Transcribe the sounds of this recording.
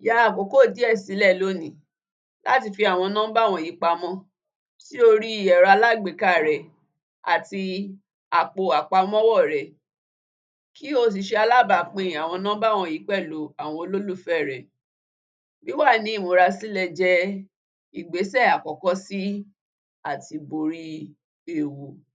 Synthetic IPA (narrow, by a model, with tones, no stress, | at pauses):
ja˨˦a˨k͡po˨ko˦˨di˨˦ɛ˦˨si˨˦lɛ˦˨lo˨˦nĩ˨˦ | la̰˦ti˧fi˧a˨w̃ɔ̃˧nã˦ba˦˨w̃ɔ̃˧˨ji˨˦k͡pa˧mɔ̃˦ | ti˦o˧ɾi˦i˨jɛ˨ɾa˧la˦˨ɡ͡be˨ka˦˨ɾɛ˨ | a̰˨ti˧ | a˨k͡po˨a˨k͡pa˧m˦ɔ̃˦wɔ˦˨ɾɛ˨ | ki˦o˦s̬i˧ʃe˧a˧la˦ba˨k͡pẽ˧˨ĩ˨a˨w̃ɔ̃˧nã˦ba˦˨w̃ɔ̃˧˨ji˨˦k͡pɛ˦˨lo˨˦a˨w̃ɔ̃˧o˧lo˦lu˦˨fɛ˦˨ɾɛ˨ | bi˦wa˦˨nĩ˨˦i˦˨mo˨˧˦ɾa˧si˦lɛ˧d͡ʒɛ˧ | i˨ɡ͡be˨˦sɛ˦˨a˨kɔ˨kɔ˦si˦ | a˦˨ti˧bo˨ɾi˧ | e˦˨wu˨